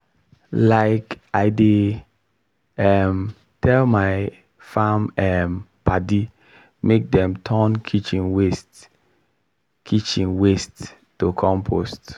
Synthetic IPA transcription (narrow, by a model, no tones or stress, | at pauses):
laɪkaɪde | ɛm | tʰɛlmaɪ | fãmɛmpadi | mek̚dɛ̃mtʰɔnkʰit͡ʃĩnwest | kʰit͡ʃĩnwest | tːokʰɔ̃mpʰost